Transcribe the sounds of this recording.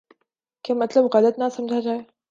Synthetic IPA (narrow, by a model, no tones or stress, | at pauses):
kʲamɐt̪lɐbɣɐlɐt̪nasɐmd͡ʒad͡ʒaːe